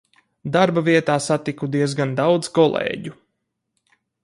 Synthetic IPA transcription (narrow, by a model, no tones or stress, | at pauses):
d̪aɾbaviɛt̪aːsat̪ikud̪iɛzɡand̪awd̪zkɔlˠḛːɟu